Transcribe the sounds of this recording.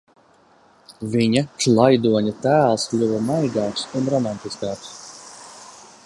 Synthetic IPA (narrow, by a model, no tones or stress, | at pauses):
vʲiɲaklˠajd̪uɔɲʲat̪æːlˠslʲuvɐmajɡɑːksunɾɔmant̪iskɑːks